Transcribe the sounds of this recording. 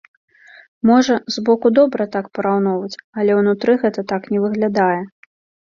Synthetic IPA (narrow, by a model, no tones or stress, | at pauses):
mɔʐɐzbɔkud̪ɔbɾɐt̪akpɐɾawnɔwvɐt͡sʲɐlʲɛwnut̪ɾɨɣɛt̪ɐt̪aknʲɛvɨɣlʲad̪ajɛ